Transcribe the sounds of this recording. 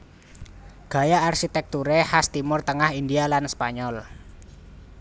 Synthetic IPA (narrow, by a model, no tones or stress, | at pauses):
ɡ̥a̤jaːrʃit̪ɛk̚t̪uɾehast̪imʊrt̪əŋahindialanspaɲɔl